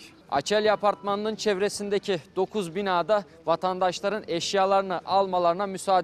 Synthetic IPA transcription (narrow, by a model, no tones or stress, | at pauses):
a̰t͡ʃʰælʲjapaɾt̪manːˠɯnt͡ʃʰɛvɾesind̪ecʰid̪̥o̞kʰuzbinaːd̪a | vat̪ʰand̪aʃlˠaɾɯnɛʃjaːlˠaɾɯnɯʔalˠmalˠaɾɯnamysaːd̪